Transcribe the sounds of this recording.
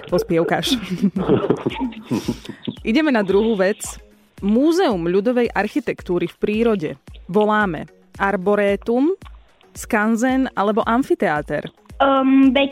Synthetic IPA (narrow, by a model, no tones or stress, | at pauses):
pɔspɪɛʊkaʃ | ʔiɟɛmɛnad̪ɾuɦuːʋɛt͡s | muːzɛumʎud̪ɔʋɛjʔaɾxit̪ɛkt̪uːɾifpɾiːɾɔɟɛʋɔlaːmɛ̰ | ʔaɾbɔɾɛːt̪um | skanzɛnalɛbɔʔaɱfit̪ɛat̪ɛ̰ɾ | mʋɛ